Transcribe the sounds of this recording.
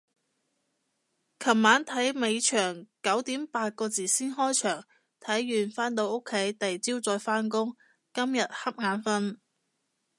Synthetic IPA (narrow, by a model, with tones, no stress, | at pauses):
kʰɐ˨˩p̚maː˨˥nt̪ʰɐ˨˥jme˨˧jt͡ʃʰœː˨˩ŋkɐ˨˥wt̪iː˨˥mpaː˧t̚kɔː˧t͡siː˨˩siː˥nɦɔː˥jt͡ʃʰœː˨˩ŋ | t̪ʰɐ˨˥jːyː˨˩nfaː˥nt̪o˧wo˥kʰːe˨˥jt̪ɐ˨jt͡siː˥wt͡sɔː˧jfaː˥nkʊ˥ŋ | kɐ˥mjɐ˨t̚hɐ˥p̚ŋaː˨˥nfɐ˥n